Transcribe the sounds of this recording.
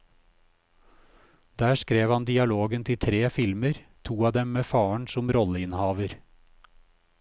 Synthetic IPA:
d̪æːʃkɾeːʋhɑnd̪ɪɑloːɡənt̪ʰɪt̪ʰɾeːfɪlməɾt̪ʰuːɑːd̪ɛmmeːfɑːəɳsʊmɾɔləɪnhɑːʋəɾ

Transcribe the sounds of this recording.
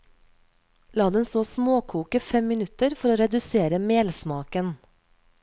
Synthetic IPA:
lɑːd̪ɛnst̪oːsmoːkʰuːkəfɛmmɪnʉt̪əɾfɔɾoːɾɛd̪ʉseːɾəmeːlsmɑːkən

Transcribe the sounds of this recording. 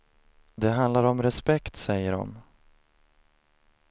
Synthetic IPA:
d̪ɛɦand̪laɾɔmɾɛspɛkt̪sɛjːəɖɔ̰m

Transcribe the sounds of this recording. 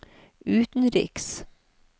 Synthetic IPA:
ʉːt̪n̩ɾɪ̰ks

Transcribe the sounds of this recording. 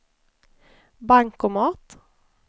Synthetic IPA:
bæŋkoːmɑːt̪

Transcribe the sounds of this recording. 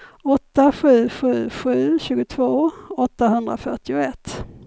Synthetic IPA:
ɔt̪ːaɧʉ̟ːɧʉ̟ːɧʉ̟ːɕʉ̟ːɡʊt̪ʰvoːɔt̪ːaɦɵnd̪ɾa̰fœʈɪʊɛt̪ː

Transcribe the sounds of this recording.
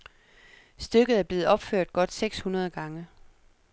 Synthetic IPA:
sd̥øɡ̥ð̞̩ˠæɐb̥le̝ːð̩ˠɒ̽b̥føɐ̰d̥̚ɡ̥ɒ̽d̥seɡ̥shunɐð̞̩ˠəɡ̥ɑ̈ŋə

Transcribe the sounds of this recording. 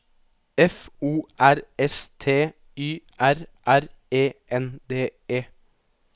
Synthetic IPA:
ɛfuːʔæɾɛst̪ʰeː | yːʔæɾʔæɾeːʔɛnd̪eːeː

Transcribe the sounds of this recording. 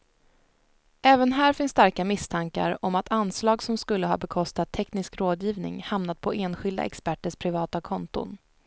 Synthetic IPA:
ʔɛːvənɦæːɾfɪnsːt̪aɾkamɪst̪ʰaŋka̰ɾɔmat̪ʰanslɑːɡsɔmskɵlːəɦɑ̰ːbɛkʰɔst̪at̪ʰːɛknɪskɾoːd̪jiːvnɪ̰ŋhamnat̪̚pʰɔʔeːnɧɪld̪a̰ʔɛ̰kspæʈːəʂpʰɾɪvɑːt̪akʰɔnt̪ʊ̰n

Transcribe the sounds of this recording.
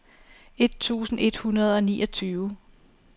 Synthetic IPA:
e̝d̥̚t͡sʰṵːsn̩e̝d̥hunɐð̞̩ˠɒ̽nḭːʔɒ̽t͡sʰyːʊ

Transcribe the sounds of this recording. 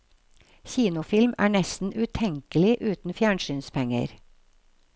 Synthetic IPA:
çiːnʊfɪlmæ̰ːɳɛst̪n̩ʉt̪ʰɛŋkəlɪʔʉːt̪n̩fjæːɳʃyːnspʰɛŋə̰ɾ

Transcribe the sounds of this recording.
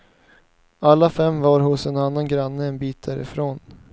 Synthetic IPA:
alːafɛmvaɾɦʊsɛnanːanɡɾanːəɛnbiːt̪̚d̪æːɾɪ̰fɾoːn

